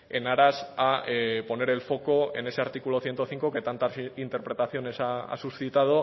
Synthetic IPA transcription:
e̞naɾasaepo̞ne̞ɾe̞lfo̞ko̞e̞ne̞se̞aɾt̪ikulo̞θje̞nt̪o̞θiŋko̞ke̞t̪ant̪asint̪e̞ɾpɾe̞t̪aθjo̞ne̞saa̰susθit̪að̞o̞

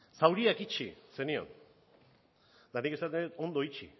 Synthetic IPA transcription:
sawɾiakit͡ʃise̞nio̰n | d̪anikesat̪eet̪o̞nd̪o̞it͡ʃḭ

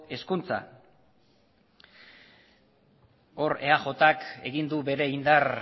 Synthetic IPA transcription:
e̞skunt͡sa̰ | o̞ɾe̞axo̞t̪ake̞̰ɣind̪uβe̞ɾe̞ind̪ar

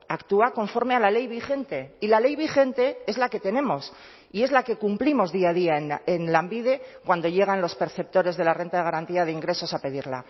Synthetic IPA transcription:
akt̪uako̞ɱfo̞ɾme̞alale̞jβixe̞nt̪e̞ilale̞jβixe̞nt̪e̞e̞zlake̞t̪e̞ne̞mo̞s | ie̞zlake̞kumplimo̞zðiað̞iaenenlambiðe̞kwand̪o̞ʝe̞ɣ̞anlo̞spe̞ɾθe̞p̚t̪o̞ɾe̞zðe̞lare̞nt̪aðe̞ɣ̞aɾant̪iað̞eiŋɡɾe̞so̞sape̞ðiɾla̰

